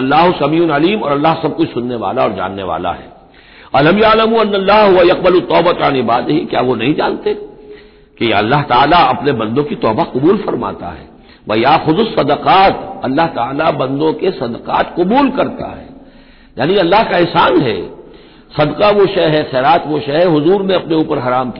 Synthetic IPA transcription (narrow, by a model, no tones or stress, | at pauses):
ɐlːaːɦʊsɐmiːʊnɐliːmɔ̰ːɾɐlːaɦsɐb̚kʊt͡ʃʰsʊnːeʋa̰ːlaɔːɾd͡ʒa̰ːnːeʋa̰ːla̰ɦɛ̰ː | ɐlɐmjɐʕlɐmuɐnːɐlːaːɦʊʋɐjɐq̚bɐlʊt̪ːɔːbət̪anɪbaːd̪ɪɦikja̰ːʋonɐɦĩd͡ʒaːnt̪e | kejɐlːaɦt̪aːlaɐpnebɐ̃nd̪õkit̪ɔːbaqʊbuːlfɐɾma̰ːt̪a̰ɦɛ̰ː | ʋɐjaːxʊd̪ʊsːɐd̪əqaːt̪ɐlːaɦt̪aːlabɐ̃nd̪õkesɐd̪əqa̰ːt̪qʊbuːlkɐɾt̪a̰ɦɛː | jaːniɐlːaɦkaɪɦsaːnɦɛ̰ː | sɐd̪qaʋoʃɐɦɦɛxɛːɾaːt̪ʋoʃɐɦɦʊzuːɾmẽɐpneuːpəɾɦɐɾaːmk